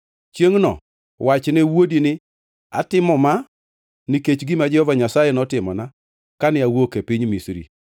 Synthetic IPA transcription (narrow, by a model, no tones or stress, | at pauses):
t͡ʃjeŋnɔ̰ | wat͡ʃnɛwodinɪ | a̰tɪmɔma | niket͡ʃɡɪmad͡ʒɛhɔvaɲasajɛnɔtɪmɔna | kanɪawokepɪɲmisɾḭ